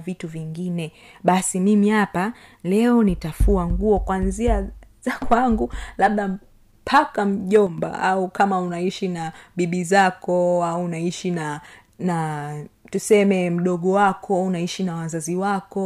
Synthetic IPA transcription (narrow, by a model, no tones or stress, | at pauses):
vituviŋɡinɛ | ɓasimimihapalɛɔnitafuaŋɡuɔkwanziaz̥akwaŋɡulaɓ̚ɗa | pʰakam̩ʄɔmba̰aukamaunaiʃinaɓiɓizakɔauunaiʃina | na | tusɛmɛm̩ɗɔɠɔwakʰɔunaiʃinawazaziwakɔ